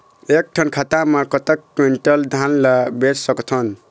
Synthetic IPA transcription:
ek̚ʈʰʌnkʰat̪amakʌt̪əkːweɳʈʌld̪ʱanlabeɾsʌkt̪ʰʌn

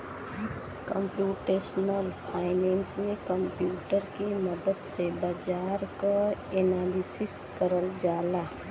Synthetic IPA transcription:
kə̃mpjuːʈeːʃnəlpʰaːɪneːnsmẽkə̃mpjuːʈəɾkiməd̪əd̪sebad͡ʒaːɾkaeːnaːlɪsɪs | kəɾəld͡ʒaːlaː

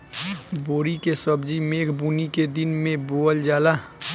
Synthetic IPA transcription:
boːɾikesəbd͡ʒimeːkʰbuːniked̪ɪnmẽboːəld͡ʒaːla

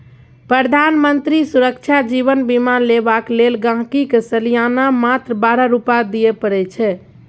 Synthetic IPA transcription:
pɾəd̪ʱanmənt̪ɾisuɾəkt͡ʃʰad͡ʒiβənbimanlebaklelɡãɦkikesəlijanamat̪ɾəbaɾəɾupad̪ijɛpəɾɛt͡ʃʰɛ

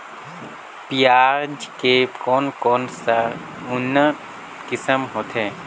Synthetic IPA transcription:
pijaːɾd͡ʒkekɔːnkɔːnsa | ʊnə | kɪsəmɦoːt̪ɦɛː

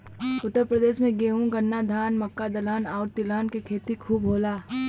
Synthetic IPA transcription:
ʊt̪ːəɾpɾəd̪eːʃmẽɡeːɦũɡɐnːad̪ʱaːnmɐkːad̪ɐlaːnaːɾt̪ɪlaːnkekʰeːt̪ikʰuːbɦoːlaː

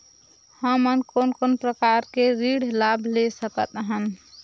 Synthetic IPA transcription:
həmənkonkonpɾəkaɾkeɾiɽlabʱlesəkət̪ɦən

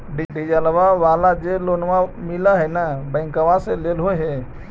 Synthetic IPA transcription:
ɖiɖid͡ʒalʋaʋaːlad͡ʒeloːnʋamɪlaɦɛnabɛ̃ːŋkəʋaseleːlɦoɦɛ

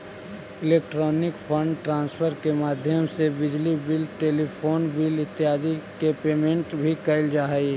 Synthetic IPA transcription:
ɪleːk̚ʈɾɔːnɪkpʰə̃ɳɖʈɾãːnspʰəɾkemaːd̪ʱjəmsebɪd͡ʒlibɪlʈeːlipʰoːnbɪlɪt̪ːɪɦaːd̪ikepeːmẽɳʈbʱikəɪld͡ʒaːɦi

